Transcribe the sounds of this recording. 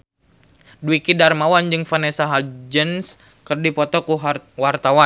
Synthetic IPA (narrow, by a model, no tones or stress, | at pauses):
dwikidarmawand͡ʒɨŋfanɛsaɦald͡ʒəns | kərdipɔt̪ɔkuwart̪awa